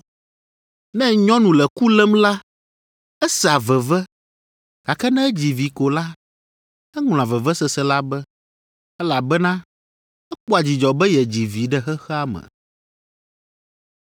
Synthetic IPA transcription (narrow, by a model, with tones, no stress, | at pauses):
nɛ̃˦ɲɔ̃˦nũ˨lɛ˨ku˦lɛ˦mla˦ | ɛ˦sɛ˨a˨vɛ˨vɛ˦ | ka˨kɛ˦nɛ̃˦ɛ˦d͡ʑi˨vi˨ko˨la˦ | ɛ˦ŋl̃ã˨vɛ˨vɛ˦sɛ˨sɛ˦la˦bɛ˦ | ɛ˦la˨bɛ˦nã˦ | ɛ˦k͡po˦a˨d͡ʑi˨d͡ʒɔ˨bɛ˦jɛ˨d͡ʑi˨vi˨˦ɖɛ˦xɛ˦xɛ˦a˦mɛ̰̃˨